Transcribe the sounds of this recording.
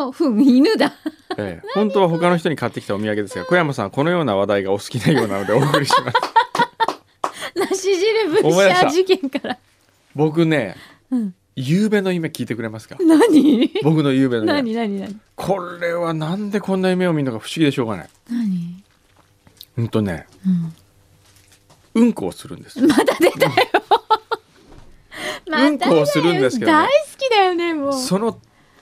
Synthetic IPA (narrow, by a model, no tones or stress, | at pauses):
ɸɯ̟̃inɯd̪aḛːhõ̞nt̪o̞β̞aɦo̞kano̞çi̥t̪o̞ɲikat̪ːekʲi̥t̪aomʲiaɡe̞d̪e̞sɨɡako̞jamasãŋko̞no̞jo̞ːnaβad̪aiɡaosɨ̥kʲinaijo̞ːna̰no̞d̪eoːkɯɾʲiɕimas | naɕiʑiɾɯbɯomoid̪aɕt̪ad͡ʑikẽŋkaɾa | bo̞k̬ɯ̟ne̞ | ɯ̃ | jɯːbe̞noime̞kʲiːt̪e̞kɯɾe̞masɨ̥kanaɲibo̞kɯ̟nojɯ̟ːbe̞noaɲinaɲinaɲikʰo̞ɾe̞βanãnd̪e̞kõ̞nːajɯme̞o̞mʲinokaɸɯ̟̥ɕiɡʲid̪e̞ɕo̞ːɣɡa̰na̰inaɲi | ɯ̃nt̪o̞ne̞̰ | ɯ̃ | ɯ̟̃ŋko̞̰ːsɨɾɯ̟̃nd̪̥esɨmad̪ad̪et̪ajo | maɯ̟̃ŋk̪oːsɨɾɯ̟̃d̪esɨked̪aisɨ̥kʲid̪ajone̞moːso̞no̞